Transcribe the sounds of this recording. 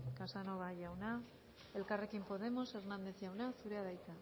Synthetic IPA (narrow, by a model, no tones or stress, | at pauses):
kasano̞β̞aʝawna | e̞lkare̞kimpo̞ð̞e̞mo̞se̞ɾnand̪e̞θʝawnasuɾe̞aðajt̪a